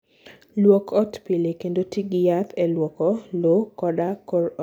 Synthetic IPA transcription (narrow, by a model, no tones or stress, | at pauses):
lwɔkʰɔtpilekendotiɡɪjapɛlwɔkɔlokɔdakɔɾɔ